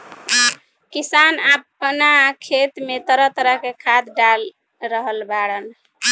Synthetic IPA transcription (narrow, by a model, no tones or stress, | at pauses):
kisanapːnakʰet̪met̪əɾət̪əɾəɦkekʰad̪ɖal | ɾəɦəlbaɽən